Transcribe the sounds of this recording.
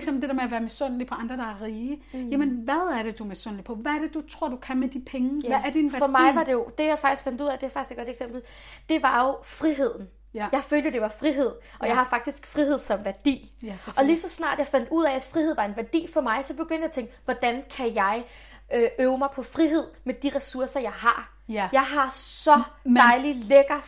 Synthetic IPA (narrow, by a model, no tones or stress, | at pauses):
sem̩d̥e̝deɐmeɐʋæːɐmesɔn̰lipʰɒ̽ɑ̈nd̥ʁɐd̥ɑ̈æɐʁiːəjæmənʋæðˠæɐɾ̥e̝d̥umesɔnlid̥̚pʰɒ̽ʋææɐɾ̥e̝d̥ut͡sʰʁo̝ɐ̰d̥ukʰænmed̥ipʰeŋəææɐd̥inʋæfɒmɑ̈ɪʋɑ̈d̥e̝jo̝d̥e̝jɑ̈ɪfɑɡ̥d̥isɡ̥fænd̥uð̰ˠæd̥e̝fɑɡ̥ise̥ɡ̥ɒ̽ɾ̥eɡ̥sem̰b̥l̩ | d̥e̝ʋɑ̈jo̝fʁiɦe̝ð̞̰ˠn̩ | jɑ̈ɪføːld̥əd̥e̝ʋɑ̈fʁiɦe̝ð̞̰ˠ | ʔɒ̽jɑɪhɑ̈fɑ̈ɡ̥̚d̥isɡ̥fʁihe̝ð̞̰ˠsɒ̽mʋæɐd̥ḭː | ɒ̽lisɒ̽snɑ̰̈ːd̥jɑ̈ɪfæn̰d̥uð̞̰ˠɛæ̥fʁiheð̰ˠʋɑ̈e̝nʋæɐd̥ḭːfɒ̽mɑ̈ɪsɒ̽b̥e̝ɡ̥øn̰d̥jat͡sʰeŋɡ̥ʋɒd̥ænkʰæjɑ̈ɪ | øʔøːʊəmɑ̈ɪpʰɒ̽fʁiɦe̝ð̞̰ˠmed̥iʁɛsuɐsɐjɑ̈ɪɦɑ̈ | jɑ̈ɪɦɑ̈sɒ̽dɑ̈ɪlileɡ̥ɐ